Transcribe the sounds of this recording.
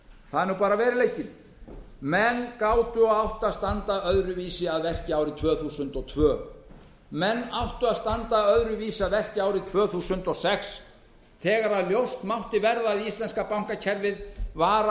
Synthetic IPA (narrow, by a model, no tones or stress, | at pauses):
θaðɛɾnupaːɾavɛːɾɪleːjcɪn | mɛnːkaːwt̪ʏɔawht̪aðst̪ant̪aœðɾʏviːsɪaðvɛr̥cɪaːwɾɪt̪ʰvœːθuːsʏnt̪ɔt̪ʰv̥œː | mɛnːawht̪ʏaðst̪ant̪aœðɾʏviːsaðvɛr̥cɪaːwɾɪt̪ʰvœːθuːsʏnt̪ɔsɛks | θɛːɣaɾaðljowst̪mawht̪ɪvɛɾðaːðist̪lɛnskapawŋ̥kacʰɛɾvɪðvaːɾa